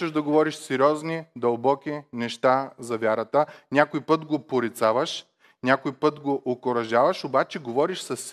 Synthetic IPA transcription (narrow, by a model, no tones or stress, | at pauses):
ɛʒd̪ɐɡovɔɾiʃsɛɾʲjɔznid̪ɐlˠbɔkʲinɛʃt̪azɐvʲjaɾət̪ənʲakojpɤt̪ɡopoɾit̪savəʃ | nʲakojpɤt̪ɡoʔokoɾɐʒavɐʃobat͡ʃɛɡovɔɾiʃsɐs